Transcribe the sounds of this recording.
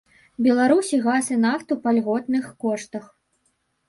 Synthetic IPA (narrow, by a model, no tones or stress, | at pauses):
bʲɛlˠaɾusʲiɣasɨnaft̪upalʲɣɔt̪̚nɨxkɔʂt̪ɐx